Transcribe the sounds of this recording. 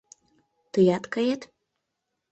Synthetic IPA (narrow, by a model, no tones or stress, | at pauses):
t̪əjɑt̪kɑjet̪